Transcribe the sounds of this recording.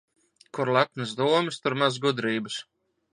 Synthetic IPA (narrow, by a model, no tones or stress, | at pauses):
kuɾlˠak̚nɨzd̪uɔmist̪uɾmazɡud̪ɾiːbɨs